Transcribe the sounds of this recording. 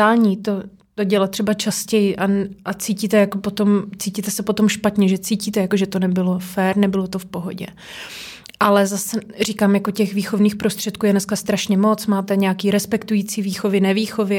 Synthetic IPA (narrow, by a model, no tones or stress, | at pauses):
aːlɲiːt̪o̞ | t̪o̞ɟɛlat̪r̥ɛbat͡ʃascɛjɪʔaʔat͡siːciːt̪ɛjakopot̪o̞mt͡siːciːt̪ɛsɛpo̞t̪o̞mʃpat̪ɲɛʒɛt͡siːciːt̪ɛjakoʒɛt̪o̞nɛbɪlo̞fɛːɾnɛbɪlo̞t̪o̞fpo̞ɦo̞̰ɟɛ̰ | ʔalɛzasɛriːkaːmjako̞cɛxviːxo̞vniːxpɾo̞st̪r̝̥ɛt̪kuːjɛnɛskast̪ɾaʃɲɛmo̞t͡smaːt̪ɛɲɛakiːɾɛspɛkt̪ujiːt͡siːviːxo̞vɪnɛviːxo̞vɪ